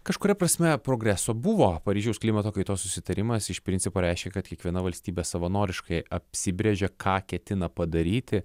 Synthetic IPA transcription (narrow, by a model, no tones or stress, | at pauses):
kɐʃkʊɾʲɛpɾɐsʲmʲɛpɾoːɡɾʲæsoːbʊʋoːpɐɾʲiːʒʲɛʊsklʲimɐt̪oːkɐɪt̪oːssʊsʲɪt̪ɐɾʲɪmɐsɪʃpʲɾʲɪnʲsʲɪpoːɾʲɛɪʃʲkʲɛkɐt̪kʲiɛkʋʲiɛnɐʋɐlʲsʲt̪ʲiːbʲɛsɐʋɐnoːɾʲɪʃkɐɪɐpʲsʲɪbʲɾʲeʒʲɛkʰɑːkʲɛt̪ʲɪnɐpɐd̪ɐɾʲiːt̪ʲɪ